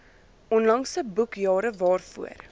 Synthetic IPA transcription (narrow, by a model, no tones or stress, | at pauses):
ʔɔnlɐŋsəbukjɑːɾəvɑːrfṵə̰r